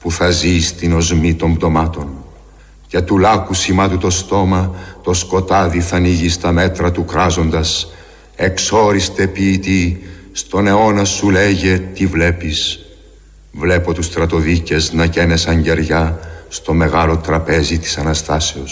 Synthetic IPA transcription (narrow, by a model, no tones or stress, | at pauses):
puθɐzist̪ino̞zmit̪o̞mbd̪o̞mɐt̪o̞n | cet̪ulɐkusimɐt̪ut̪o̞st̪o̞mɐt̪o̞sko̞t̪ɐðiθɐniʝist̪ɐme̞t̪ɾɐt̪ukɾɐzo̞nd̪ɐs | e̞kso̞ɾist̪e̞piːt̪ist̪o̞ne̞o̞nɐsule̞ʝe̞t̪ivle̞pis | vle̞po̞t̪ust̪ɾɐt̪o̞ðice̞znɐce̞nesɐɲɟe̞ɾʝɐst̪o̞me̞ɣɐlo̞t̪ɾɐpe̞zit̪i̥sɐnɐst̪ɐseos